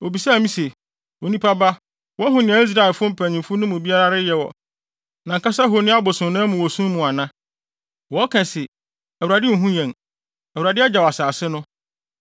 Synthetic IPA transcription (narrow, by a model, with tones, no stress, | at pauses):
o˨bi˨sa˦˨mĩ˦se˨ | wo˨nĩ˦pʰa˦ba˦ | wɔ˦ɦʊ̃˨nɪ̃˨ã˨i˦s̬ɾa˦ɛ˨lfʊ̃˦m̩˦pʰæ̃˨ɲĩ˨mfʊ˦nʊ̃˦mʊ̃˨bi˦a˦ɾa˦ɾɪ˦jɛ˨wɔ̰˨ | nã˨ŋ̩˨kʰa˦sa˦ɦo˨nɪ̃˦a˦bʊ˨sʊ̃˨˦nãː˦mʊ̃˨wɔ˨sũ˦mũ˨a˨nã˦ | wɔ˨˦kʰɛ̃˨sɪ˨ | æ˨u˨ɾa˨dɪ˦˨ɦũ˦ɲɛ̃˨ŋ | æ˨u˨ɾa˨dɪ˦ɛ˦d͡ʑa˨wa˨saː˨sɪ˦nʊ̃˦